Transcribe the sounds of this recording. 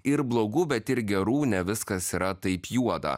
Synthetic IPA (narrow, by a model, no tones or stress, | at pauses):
ɪɾblˠoːɡubʲɛt̪ɪɾɡʲɛɾuːnʲɛʋʲɪskɐsiɾɐt̪ɐɪpjuɔd̪ɐ̰